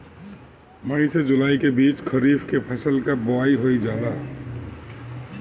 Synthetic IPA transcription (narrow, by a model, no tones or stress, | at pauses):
məɽ̃ised͡ʒʊlaːikebiːt͡ʃkʰəɾiːbkepʰəsəlkaboaːiɦoid͡ʒaːla